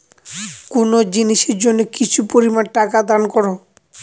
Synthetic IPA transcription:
konod͡ʑiniʃeɾd͡ʑonːekit͡ɕʰupoɾimanʈakad̪ankɔɾo

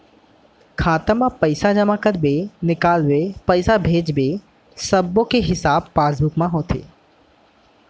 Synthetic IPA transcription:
kʰaːt̪əmãpəɪsad͡ʒɐmaːkəɾbenɪkaːlʋepəɪsabʱeːd͡ʒbe | sɐbːõkeɦɪsaːbpaːsbʊkmãɦoːt̪ʰḛː

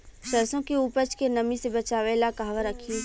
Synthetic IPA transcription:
ʃəɾsõkiupət͡ʃkenɐmĩsebɐt͡ʃaːʋelakaːʋaɾəkʰi

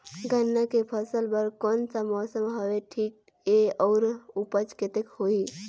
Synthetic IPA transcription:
ɡʱənːakepʰəsəlbəɾkɔnsamɔːsəmɦəʋeʈʰiːk̚ | eɔːɾupət͡ʃket̪ekhoi

